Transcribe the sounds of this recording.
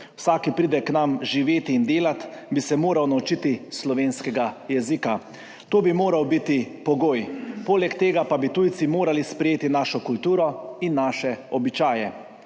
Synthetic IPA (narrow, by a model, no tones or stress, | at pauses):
wsaːkipɾiːd̪ɛknamʒiʋeːt̪iːnd̪eːlat̪bisɛmoːɾawnaut͡ʃit̪islɔʋeːnskɛɡajɛzika | t̪oːbimoːɾawbit̪ipɔɡoːjpoːlɛkt̪eːɡapabit̪ujt̪simoːɾalispɾɛjeːt̪inaːʃɔkult̪uːɾɔinːaːʃɛɔbit͡ʃaːjɛ